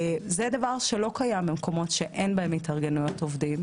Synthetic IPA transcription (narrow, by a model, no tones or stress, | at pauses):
zedɐvaʁʃe̞lo̞kajambemkʰo̞mo̞tʃe̞ʔenbaemitɐʁɡenujo̞tovdim